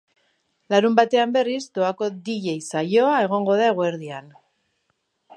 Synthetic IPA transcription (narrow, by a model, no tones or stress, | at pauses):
laɾumbat̪e̞ambe̞rizd̪oako̞d̪iʎe̞jsajo̞ae̞ɣ̞o̞ŋɡo̞ðaeɣweɾðian